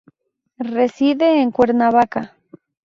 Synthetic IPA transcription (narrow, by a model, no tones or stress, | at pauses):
resiðeːŋkweɾnaβaka